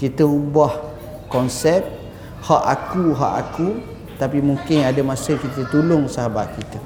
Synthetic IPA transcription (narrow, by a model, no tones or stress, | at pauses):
kit̪əubah | kɔnsɛp̚ | haʔakuɦa̰ʔa̰ku | t̪apimuŋkɪnadəmasəkit̪ət̪ulʊŋsaɦabaʔ̪̚kit̪ə